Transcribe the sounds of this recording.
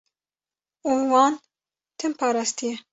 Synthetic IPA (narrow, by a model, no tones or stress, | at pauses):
uwɑːn | t̪ʰɨmpʰɑːɾɑːst̪ijɛ